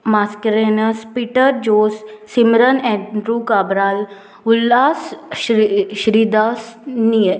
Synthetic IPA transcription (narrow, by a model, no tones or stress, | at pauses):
maːskɾeːnəspiːʈəɾd͡ʒoːsːimɾənɛ̃ɳɖɾuːkaːbɾaːl | ʊlːaːs | ʃɾiːd̪aːsni